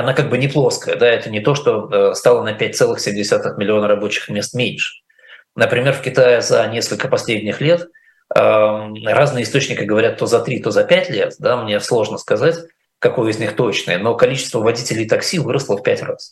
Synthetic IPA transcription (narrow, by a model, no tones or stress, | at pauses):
ɐnakaɡ̚bɨnʲɪplˠo̞skəjəd̪aɛt̪ənʲɪt̪o̞ʂt̪o̞əst̪alˠənəpʲæt̚ʲt̪sɛlˠɨxsʲemʲdʲɪsʲat̪ɨxmʲɪlʲɪo̞nrɐbo̞t͡ɕɪ̥xmʲe̞st̪mʲenʲʂɨ̥ | nəpɾʲɪmʲe̞rfkʲɪt̪ajɪzɐnʲe̞skəlʲkəpɐsʲlʲedʲnʲɪxlʲe̞t̪ | əraznɨjəɪst̪o̞t͡ɕnʲɪkʲɪɡəvɐɾʲat̪ːo̞zɐt̪ɾʲit̪o̞zɐpʲætʲlʲe̞t̪d̪amnʲeslˠo̞ʐnəskɐzatʲ | kɐko̞jəɪzʲnʲixt̪o̞t͡ɕnɨ̰jəno̞kɐlʲit͡ɕɪ̥st̪vəvɐdʲitʲɪlʲɪjt̪ɐksʲivɨɾəslˠəfpʲætʲras